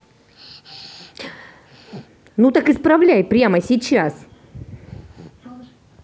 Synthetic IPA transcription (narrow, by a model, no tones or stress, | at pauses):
nut̪akɨspɾɐvlʲæjpɾʲaməsʲɪt͡ɕas